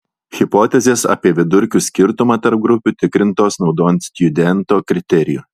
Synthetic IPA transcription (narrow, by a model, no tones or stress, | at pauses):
xʲɪpoːt̪ʲɛzʲeːsɐ̰ːpʲiɛʋʲɪd̪ʊɾʲkʲusʲkʲɪɾt̪ʊmɑːt̪ɐɾp̚ɡɾʊpʲuːt̪ʲɪkɾʲɪnt̪oːsnɒʊd̪oːɛnt̪sʲt̪ʲjʊd̪ʲɛnt̪oːkɾʲɪt̪ʲɛɾʲɪjṵ